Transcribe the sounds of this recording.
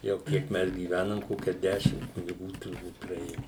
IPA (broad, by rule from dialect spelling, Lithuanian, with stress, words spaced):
jɛʊ ˈkʲiɛk ˈmʲɛs ɡʲiːˈʋʲænɐm ˈkoːkʲɛ ˈdʲæːʃʲɪm kʊnʲɪˈɡuː tʊrˈbuːt prɐˈeːjʊ